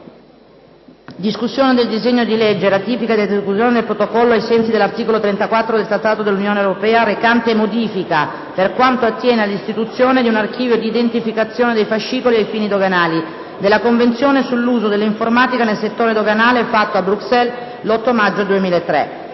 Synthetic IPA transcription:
d̪iskusːjoːned̪eld̪izeɲːod̪iled͡ʒːelat̪iːpikad̪eld̪iskusjoːned̪elpɾot̪okɔlːoajsɛnsid̪elːart̪iːkolot̪ɾɛnt̪akwat̪ːɾod̪elt̪ɾat̪ːaːt̪od̪elːunjoːneewɾopɛːaɾekant̪eːmod̪iːfika | perkwant̪oat̪ːjɛːnealist̪it̪ut̪sːjoːned̪iunark̟iːvjod̪iːd̪ent̪ifikat̪sːjoːned̪ejfaʃːiːkoliejfiːnid̪oɡanaːli | d̪elːakoɱvent̪sjoːnesulːuːzod̪elːiɱformaːt̪ikanelset̪ːoːɾed̪oɡanaːlefat̪ːoabːɾuksɛl | lɔt̪ːomad͡ʒːod̪uemiːlaet̪ːɾɛ̰

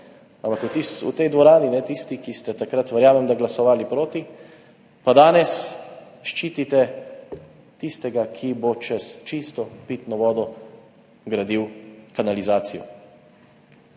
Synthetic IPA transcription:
ampakut̪isṵt̪ɛjd̪ʋɔɾaːninɛt̪ist̪ikist̪ɛt̪akɾat̪ʋɛɾjaːmɛmd̪aɡlasɔʋaːlipɾoːt̪i | pad̪aːnɛs | ʃt͡ʃiːt̪it̪ɛ | t̪ist̪ɛɡakʰibot͡ʃɛst͡ʃist̪ɔpit̪nɔʋɔːd̪ɔ | ɡɾad̪iwkanalizaːt̪sijɔ̰

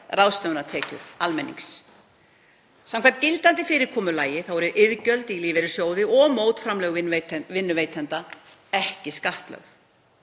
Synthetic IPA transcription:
rawst̪œwʏnat̪ʰɛːcʏ̰ðalmɛnːḭŋks | samkʰvant̪̚cɪlt̪ant̪ɪfɪːɾɪɾkʰɔːmʏlaːjɪθawɛɾɪɾʔɪðcœlt̪iliːvɪɾɪsjoːwðɪʔɔmoːwt̪fɾamlɛːɣvɪvet̪vɪnːʏveːjt̪ʰɛnt̪a | ɛhcɪskaht̪lœ̰ɣθ

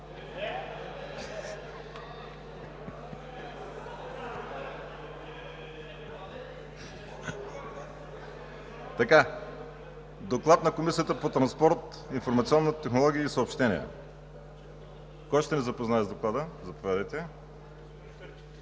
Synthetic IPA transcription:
t̪ɐka | d̪oklˠat̪nɐkomisiət̪əpot̪ɾɐnspɔɾt̪ | infoɾmɐt̪siɔnːət̪ɛxnolˠɔɡʲiəisəopʃt̪ɛnḭɛ̰ | kɔjʃt̪ɛnɛzɐpoznaɛzd̪oklˠad̪əzɐpovjad̪əjt̪ɛ

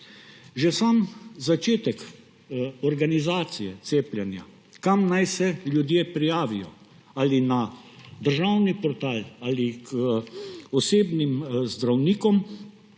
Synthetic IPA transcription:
ʒɛsaːmzat͡ʃeːt̪ɛk | ɔɾɡanizaːt̪sijɛt̪seːplʲjɛnja̰ | kamnajsɛljud̪jeːpɾijaːʋijɔ̰ | aːlina | d̪əɾʒawnipɔɾt̪aːlaːlik | ɔseːbnimzd̪ɾawniːkɔm

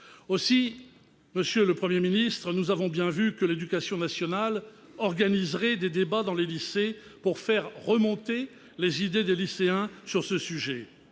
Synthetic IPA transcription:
osi | məsjøləpχəmjeminist̪χənuzavɔ̃bjɛ̃vykəled̪ykasjɔ̃nasjɔnal | ɔʁɡanizʁɛd̪ed̪ebad̪ɑ̃lelisepuʁfɛʁːəmɔ̃t̪e | lezid̪ed̪eliseɛ̃syʁsəsyʒɛ

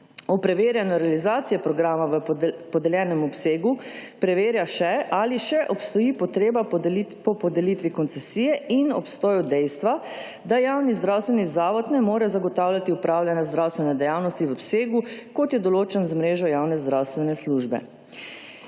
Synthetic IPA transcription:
ɔpɾɛʋeːɾjanɔɾɛalizaːt̪sijɛpɾɔɡɾaːmaʋəpɔd̪ɛljɛːnɛmɔpseːɡupɾɛʋeːɾjaʃɛʔaliʃɛʔɔpst̪ɔjipɔt̪ɾeːbapɔpɔd̪ɛlit̪ʋikɔnt̪sɛsijɛinɔ̰pst̪ɔːjɔd̪ɛjst̪ʋa | d̪ajaːwnizd̪ɾawst̪ʋɛnizaːʋɔt̪nɛmoːɾɛzaɡɔt̪awljat̪iupɾaːwlʲjanjazd̪ɾawst̪ʋɛnɛd̪ɛjawnɔst̪iʋɔpseːɡukɔt̪jɛd̪ɔloːt͡ʃɛnzmɾeːʒɔjawnɛzd̪ɾawst̪ʋɛnɛsluʒbɛ̰

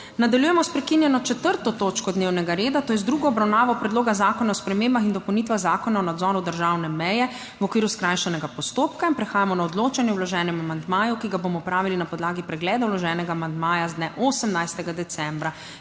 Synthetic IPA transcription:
nad̪aljuːjɛmɔspɾɛkinjɛnɔt͡ʃɛt̪əɾt̪ɔt̪oːt͡ʃkɔd̪neːwnɛɡaɾeːd̪at̪oːjɛzd̪ɾuɡɔɔbɾawnaːʋɔpɾɛd̪loːɡazaːkɔnaɔspɾɛmeːmbaxind̪ɔpɛwnit̪ʋaɣzaːkɔnaɔnad̪zɔːɾud̪əɾʒaːwnɛmɛjɛ | ʋɔkʋiːɾuskɾaːjʃɛnɛɡapɔst̪oːp̚kainpɾɛxaːjamɔnaɔd̪loːt͡ʃanjɛwlɔʒɛːnɛmamand̪maːjukiɡabomɔpɾaːʋilinapɔd̪laːɡipɾɛɡlɛːd̪awlɔʒɛːnɛɡaːmand̪maːjazd̪nɛʔoːsəmnajst̪ɛɡad̪ɛt̪sɛmbɾa

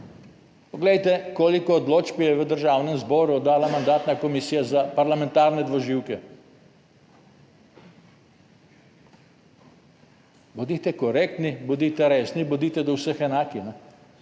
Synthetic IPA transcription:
pɔɡlɛjt̪ɛkoːlikɔːd̪loːt͡ʃpijɛʋəd̪əɾʒawnɛmzbɔːɾud̪aːlamand̪aːt̪nakɔmisiːjazapaɾlamɛ̃nt̪aːɾnɛd̪ʋɔʒiwkɛ | bod̪it̪ɛkɔɾek̚t̪nibɔd̪it̪ɛɾeːsnibɔd̪iːt̪ɛd̪ɔwsəxɛnaːkinɛ

